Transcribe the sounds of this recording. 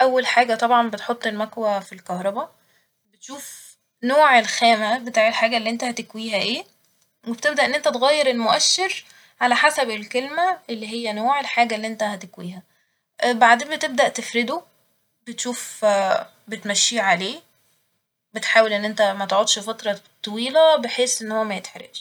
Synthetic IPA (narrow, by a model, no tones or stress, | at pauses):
ʔæwːælħaːɡæt̪ˤɑbʕɑnbet̪ħot̪ˤːelmækwæfilkɑhɾˤɑbæ | bet̪ʃuːf | noːʕelxæːmæbet̪aːʕelħaːɡælːiːʔent̪æhæt̪ekwiːɦæʔeː | web̥t̪eb̚d̪æʔenːʔent̪æt̪eɣæːjːeɾelmoʔæʃːeɾ | ʕalæħasæbelkelmæʔelːiɦejːænoːʕelħaːɡælːiːʔent̪æhæt̪ekwiːhæ | baʕd̪eːmbet̪eb̚d̪æʔt̪efɾed̪o | bet̪ʃuːf | bet̪mæʃːiːʕaleː | bet̪ħaːwelʔenːʔent̪æmæt̪ʕot̪ʃfɑt̪ɾˤɑt̪ˤːɑwiːlæbeħeːsʔenːhowːæmæjet̪ħɾḛʃ